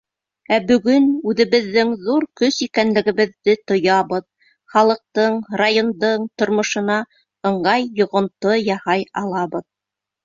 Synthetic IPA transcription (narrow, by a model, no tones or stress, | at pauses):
æbɵ̆ɡɵnʉðɘ̆βɘ̆ðːɘŋðuɾkɵsikænlɘ̆ɡɘ̆βɘ̆ðːɘt̪ŏjɑβɤð | χɑlˠɤ̆q̚t̪ɤɴrajo̞nd̪ɤɴt̪ŏɾmŏʃɤ̆nɑ | ɤ̆ɴɢɑjːŏʁŏnt̪ɤjɑhɑjɑ̰lˠɑβɤð